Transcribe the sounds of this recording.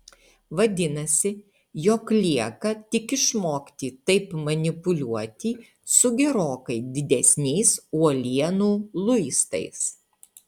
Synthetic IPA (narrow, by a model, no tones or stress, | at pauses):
ʋɐd̪ʲɪnɐsʲɪ | joːklʲiɛkɐt̪ʲɪkɪʃmoːkʲt̪ʲiːt̪ɐɪpmɐnʲɪpʊlʲuɔt̪ʲiː | sʊɡʲɛɾoːkɐɪd̪ʲɪd̪ʲɛsʲnʲɛɪsuɔlʲiɛnuːlˠʊɪst̪ɐ̰ɪs